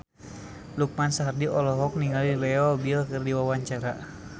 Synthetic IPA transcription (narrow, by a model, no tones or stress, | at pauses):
luk̚mansaɦardiʔɔlɔɦɔk̚niŋɡalilɛɔbilkɨrdiwawaɲt͡ʃaɾa